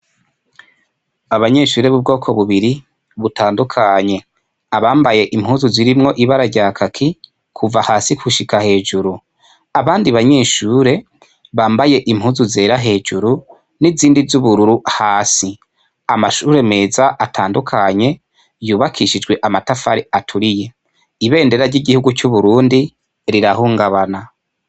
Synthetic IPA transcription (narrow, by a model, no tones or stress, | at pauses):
aβaɲe̞ːʃuːɾe̞βub̚ɡo̞ːkʰo̞βuβiɾi | βutaːndukʰaɲe̞ | aβaːmbaje̞ʔim̥huːzuziɾimŋo̞ʔiβaɾaɾɟaːkʰakʰi | kʰuvahaːsikʰuʃikahe̞ːʒuɾu | aβaːndiβaɲe̞ːʃuːɾe̞ | βaːmbaje̞ʔimhuːzuze̞ːɾaɦe̞ːʒuɾu | niziːndizuβuɾuɾuhaːsi | amaʃuːɾe̞meːzaʔatʰaːndukʰaɲe̞ | juːβakʰiʃid͡ʒɡwe̞ʔamatafaɾiatʰuɾije̞ | iβe̞ːnde̞ɾaɾɟiɟihuɡut͡ʃuβuɾuːndi | ɾiɾahuːŋɡaβana